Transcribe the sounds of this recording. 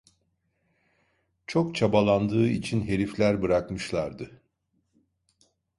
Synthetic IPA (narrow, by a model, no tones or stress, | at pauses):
t͡ʃʰo̞kt͡ʃʰabalˠand̪ɯːit͡ʃʰinɦe̞ɾiflʲæɾbɯɾakmɯʃlˠaɾd̪ɯ